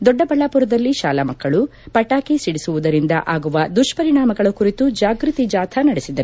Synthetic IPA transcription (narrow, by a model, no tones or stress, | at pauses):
d̪ɔɖːɐbɐɭːaːpuɾɐd̪ɐlːiʃa̰ːlɐmɐkːɐɭupɐʈːaːkesiɽisuʋud̪ɐɾind̪ɐ̰ʔaːɡuʋɐd̪uʂpɐɾiɳaːmɐɡɐɭɐkuɾit̪ud͡ʒaːɡɾut̪id͡ʒaːt̪ʰɐnɐɽesid̪ɐɾu